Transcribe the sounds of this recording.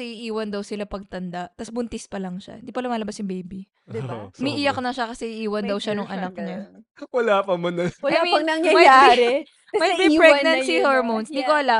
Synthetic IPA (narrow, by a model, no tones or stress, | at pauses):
ɐɛiʔiːwɐnd̪ɐwsɪlapɐɡ̚t̪ɐnd̪aʔt̪ɐsbʊnt̪ɪspɐlɐŋʃa̰hɪnd̪iːpɐlɐmaːlɐbasjʊŋbejbi | mɪʔijɐknɐʃakɐsɛɪʔiːwɐnd̪ɐwʃanʊŋʔɐnɐk̚ɲa | wɐlaːpɐmɐnɐɐɐmɐɐɐŋjɐmɐjaɾɛ | mɐjmɛpɹɛɡ̚nɐnssihoɹmonsd̪ikoʔɐla